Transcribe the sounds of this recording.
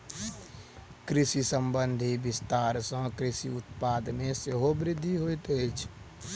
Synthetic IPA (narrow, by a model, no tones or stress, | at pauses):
kɾɪsisəmbənd̪ʱibɪst̪aːɾsə̃kɾɪsiʊt̪pad̪mẽseɦobɾɪd̪ʱːiɦojt̪ət͡ʃʰ